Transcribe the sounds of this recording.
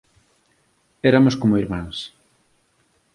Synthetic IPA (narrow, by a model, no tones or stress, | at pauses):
ɛɾamʊskomʊiɾmãŋs